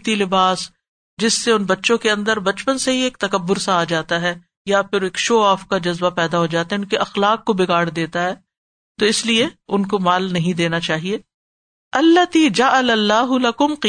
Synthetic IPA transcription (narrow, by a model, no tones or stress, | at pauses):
t̪ilɪbaːs | d͡ʒɪsːeʊnbɐtːʃõkeɐ̃nd̪əɾbɐt͡ʃpənseɦieːk̚t̪ɐkɐbːʊɾsaːd͡ʒaːt̪aɦɛ | jafɪɾeːkʃoːaːfkad͡ʒɐzbapɛːd̪aɦod͡ʒaːt̪aɦɛʊnkeʔɐxlaːk̚ːobɪɡaːɽd̪eːt̪aɦɛː | t̪oɪslieʊnk̬omaːlnɐɦĩd̪eːnat͡ʃaːɦieː | ɐlːɐt̪iːd͡ʒaʔɐlɐlːaːɦʊlɐkʊmq